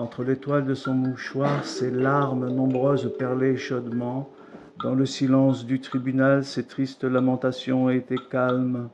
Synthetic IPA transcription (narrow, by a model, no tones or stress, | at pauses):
ɑ̃t̪χəlet̪wald̪əsɔ̃muʃwaʁselaʁmnɔ̃bʁøzpɛʁleʃɔd̪mɑ̃ | d̪ɑ̃ləsilɑ̃sd̪yt̪χibynalset̪χist̪lamɑ̃t̪asjɔ̃et̪ɛkalm